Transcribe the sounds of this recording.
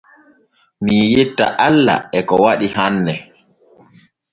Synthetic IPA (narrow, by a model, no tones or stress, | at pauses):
mijetːa̰ʔalːa̰ɛkɔwaɗihanːɛ